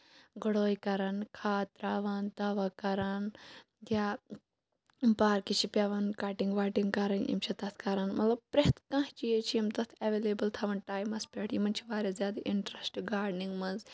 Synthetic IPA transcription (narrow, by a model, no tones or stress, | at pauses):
ɡəɽoːjkɐɾɐnkʰaːt̪ɾaʋɐnd̪ɐʋakɐɾɐn | jjaː | paːɾkit͡ʃʰipʲɐʋɐnkaːʈiŋɡʋaːʈiŋɡkɐɾɐnjḭmt͡ʃʰɐt̪ɐt̪ʰkɐɾɐnmɐt̪lɐb̚pɾeɦt̪kãɦt͡ʃijet͡ʃʰiimt̪ɐt̪ʰɐʋeːleːbɐlt̪ʰɐʋɐnʈaːjmɐspʲeʈʰjimɐnt͡ʃʰiʋaːɾʲjazʲjaːd̪ɐʔiɳʈɾɐsʈɡaːɾniŋɡmɐz